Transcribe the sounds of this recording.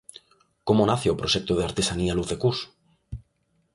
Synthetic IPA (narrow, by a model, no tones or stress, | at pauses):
komonaθeopɾoʃek̚t̪oð̞eaɾt̪esanialuθekus